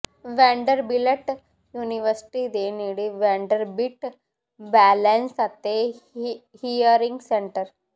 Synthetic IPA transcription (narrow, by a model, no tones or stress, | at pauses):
ʋɛɳɖəɾbileʈ | juːniʋəɾsi̥ʈid̪eniɽiʋɛɳɖəɾbiʈ | bælensat̪e | hijəɾĩŋɡseɳʈəɾ